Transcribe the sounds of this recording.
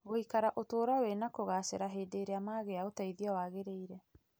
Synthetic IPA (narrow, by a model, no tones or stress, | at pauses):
ɣoikaɾaʔotoːɾawenakoɣaseɾaɦeːdeːɾeamaːɣeaotaiðiawaːɣeɾeiɾɛ